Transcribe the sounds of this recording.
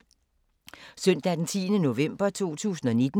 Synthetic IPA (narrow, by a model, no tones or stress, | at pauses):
sœn̰d̥æd̥ent͡sʰḭːnəno̝ʋem̰b̥ɐt͡sʰo̝̰ːt͡sʰṵːsn̩ɒ̽ne̝d̥n̩